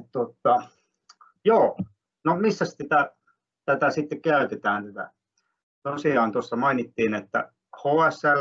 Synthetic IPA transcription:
t̪ot̪ːˑɑ | joː | nomisːæstit̪æ | t̪æt̪æsit̪ːekkæyt̪et̪æːnt̪æt̪æ̰ | t̪osiɑːnt̪ost̪ɑmɑinit̪ːiːnet̪ːæ̰ | hoːæsæl

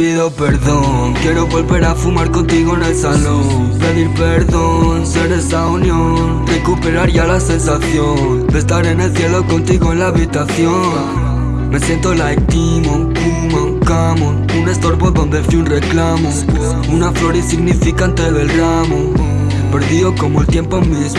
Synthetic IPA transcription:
piðo̞peɾðo̞ | nkje̞ɾo̞βo̞lβe̞ɾafumaɾko̞nt̪iɣo̞ene̞lsalo | npe̞ðiɾpeɾðo̞nse̞ɾe̞saunjo | nre̞kupe̞ɾaɾʝalase̞nsaθjo̞ | nd̪est̪aɾe̞ne̞lθje̞lo̞ko̞nt̪iɣo̞enlaːβit̪aθjo̞n | me̞sje̞nt̪o̞laek̚t̪imokuma | kamon | une̞st̪o̞ɾβoðdond̪efiunre̞klamo̞ | unaflo̞ɾisiɣnifikant̪e̞ðe̞ldɾamo̞ | pe̞ɾðiðo̞ko̞moelt̪je̞mpo̞mis

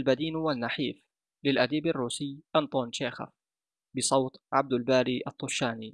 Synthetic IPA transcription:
lbad̪iːnwanːaħiːf | lɪlʔad̪iːbarːuːsɪjʔant̪ˤoːnʃeːxa̰f | bɪsˤɑwt̪ʕab̚d̪albaːɾiʔɑt̪ˤːʊʃːaːni

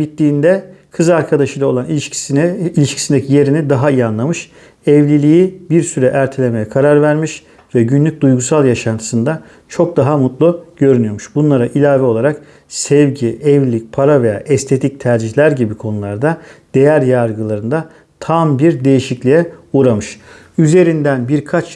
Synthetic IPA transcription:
it̪lʲiːnd̪ɛkʰɯzaɾkʰad̪aʃɯjlˠao̞lˠani | ilʲiʃcʰi̥sind̪ecʰije̞ɾinid̪aɦaijanlˠamɯʃ | ɛvlʲilʲijibiɾsyɾɛʔæɾt̪ʰelʲe̞me̞jɛkʰaɾaɾvæɾmiʃ | vɛɟynlʲyc̚d̪ujɡusalˠjaʃant̪ʰɯ̥sɯnd̪a | t͡ʃʰo̞k̚d̪aɦamut̪lˠuɟ̥ø̞ɾynyjo̞ɾmuʃbunlˠaɾaʔilʲaːvɛo̞lˠaɾak | sɛvɟiʔɛvlʲilʲic̚pʰaɾave̞ja̰ːʔɛst̪ʰe̞t̪ʰic̚t̪ʰæɾd͡ʒiçlʲæɾɟibikʰo̞nulˠaɾd̪ad̪̥e̞jæɾjaɾɡɯlˠaɾɯnd̪a | t̪ʰambiɾd̪e̞jiʃiclʲijɛuɾamɯʃ | yze̞ɾind̪ænbiɾkʰat͡ʃ

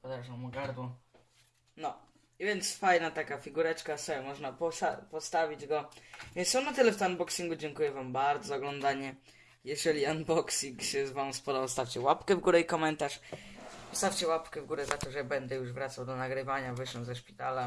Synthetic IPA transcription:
pɔd̪ɛʐawmuɡaɾd̪wɔ | nɔ | vʲjɛnt̪sfajnat̪akafʲiɡuɾɛt͡ʂkasɔɛmɔʐnapɔsapɔst̪avʲid͡ʑɡɔvʲjɛnsjɔnːat̪ɘlɛft̪anbɔksiŋɡud͡ʑɛŋkujɛvambaɾd̪zɔzaɔɡlɔnd̪aɲɛ | jɛʐɛlʲianbɔksiŋkɕɛzvamspɔd̪ɔwst̪aft͡ɕɛwapkɛvɡuɾɛikɔmɛnt̪aʂpɔst̪aft͡ɕɛwapkɛvɡuɾɛzat̪ɔʐɛbɛnd̪ɛjuʐvɾat̪sawd̪ɔnaɡɾɘvaɲavɘʂɛwzɛʂpʲi̥t̪ala

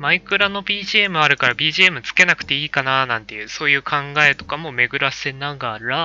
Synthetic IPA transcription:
maikɯ̟ɾano̞bʲiːʑiːemɯ̟aɾɯ̟kaɾabʲiːʑiemɯ̟t͡sɨ̥ke̞nakɯ̟t̪e̞iːkananãnt̪e̞jɯ̟ːso̞ːjɯ̟ːkʰãŋɡae̞t̪o̞kamo̞me̞ɡɯ̟ɾaɕi̥senãŋɡaːɾɯɾa

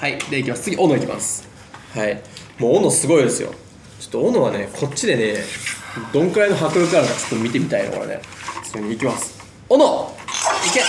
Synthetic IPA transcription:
haid̪eaikʲimasɨ̥t͡sɨɡʲiʔono̞ikʲima̰sɨ̥ | hai | moːnosɨɡo̞id̪e̞sɨjo̰ | t͡ɕo̥t̪ːoono̞β̞ane̞kʰo̞tt͡ɕːid̪e̞ne | d̪õ̞ŋkɯ̟ɾaino̞ɦakɯ̟ɾɯ̟kɯaŋkat͡ɕo̥t̪ːo̞mʲit̪e̞mʲit̪aḭno̰ko̰ɾa̰ne̞̰soɾeɲ̟iːkʲimasɨ̥ | ono | ike

